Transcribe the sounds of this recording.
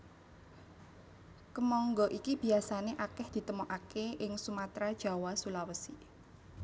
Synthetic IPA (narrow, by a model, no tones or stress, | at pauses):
kəmɔŋɡɔʔikib̥i̤asaneʔakɛhd̪̥i̤t̪əmɔʔakeɪŋsumat̪ɾad̥ʒ̥a̤wasulawəsi